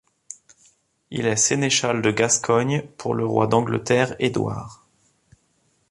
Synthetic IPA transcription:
ḭlɛseneʃald̪əɡaskʰɔɲpʰuʁləʁwa̰d̪ɑ̃ɡlə̰t̪ɛʁed̪wa̰ːʁ

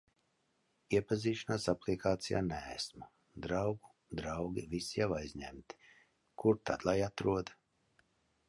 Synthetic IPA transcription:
iɛpaziːʃanaːsaplˠikaːt̪sija̰ːnɛ̰ːsma | d̪ɾawɡu | d̪ɾawɡʲivisijawajzʲɲɛ̰mt̪i̥ | kuɾt̪ad̪lˠajat̪ɾuɔd̪

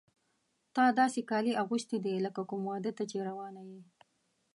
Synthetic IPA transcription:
t̪ɑd̪ɑsekɑliaɣuʃt̪id̪eləkakʊmwɑd̪ət̪ːat͡ʃeɾawɑnaji

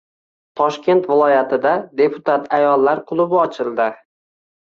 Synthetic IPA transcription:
t̪ʰɒʃkʲʰe̞nt̪vɪlˠɒjat̪ʰɪd̪ad̪e̞pʰʊt̪ʰat̪ʰajɒlˠːaɾqʰʊlˠʊbɒt͡ʃʰɪlˠd̪ɪ

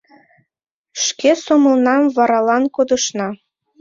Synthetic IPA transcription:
ʃkesomɤ̆lnɑmvɑɾɑlɑnkod̪ɤ̆ʃnɑ

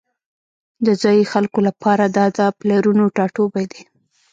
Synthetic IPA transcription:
d̪əzɑjixalkolapʰɑɾad̪ɑd̪əplaɾunoʈɑʈobajd̪i

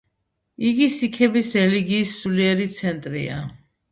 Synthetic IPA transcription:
iɡisikʰɛbisɾɛliɡiːsːuliɛɾit̪sʰɛnt̪ʼɾḭa̰

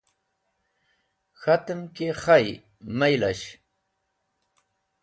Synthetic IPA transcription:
xat̪əmkexaj | majla̰ɕ

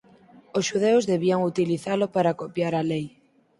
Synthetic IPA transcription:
osʃuð̞eʊzðeβiaŋut̪iliθalopaɾakopjaɾalej

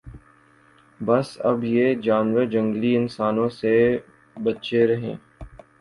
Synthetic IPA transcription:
bɐsɐbjeːd͡ʒaːnʋəɾd͡ʒɐ̃ŋɡliɪnsaːnõse | bɐtt͡ʃeɾɐɦḛ̃ː

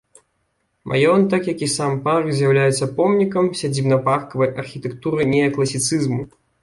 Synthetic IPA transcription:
mʔa̰jɔnt̪ɐkjɐkʲisamparkzʲjɐwlʲajɛt̪sːɐpɔmnʲikɐmsʲad͡zʲibnɐparkɐvɐjʔɐrxʲit̪ɛkt̪uɾɨnʲɛjɐkːlˠɐsʲit̪sɨzmu

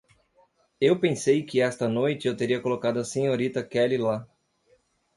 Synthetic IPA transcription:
ewpẽsejkɪɛst̪ɐnojt͡ʃɪewt̪eɾiɐkolokad̪ʊɐsẽɲoɾit̪ɐkɛlɪla

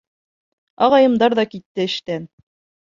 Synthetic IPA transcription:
ɑʁɑjɤ̆md̪ɑɾðɑkit̪ːɘɘ̆ʃt̪æn

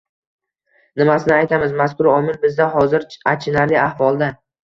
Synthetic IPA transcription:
nɪmasɪnɪajt̪ʰamɪzmaskʰʊɾɒmɪlbɪzd̪aɦɒzɪɾat͡ʃʰɪnaɾlɪahvɒlˠd̪a

